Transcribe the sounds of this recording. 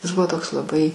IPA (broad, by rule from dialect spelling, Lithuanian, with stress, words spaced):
jɪs ˈbʊʋoː ˈtoːks lˠɐˈbɐɪ